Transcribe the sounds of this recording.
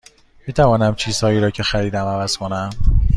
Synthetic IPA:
miːt̪ʰævɒːnæmt͡ʃʰiːz̥hɒːiːɾɒːcʰe̞xæɾiːd̪æmævæz̥kʰonæm

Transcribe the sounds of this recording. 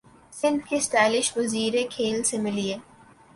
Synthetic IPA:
sɪ̃nd̪kesʈɛːlɪʃʋɐziːɾekʰeːlsemɪlie

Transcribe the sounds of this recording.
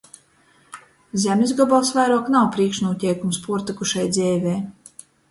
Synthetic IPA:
zʲɛmʲnʲizɡɔbɔlˠsvajɾuɔknawpɾiɛkʃnuɔt̪ʲɛjkumspuɔɾt̪ikuʃajd̪zʲɛːvʲɛj

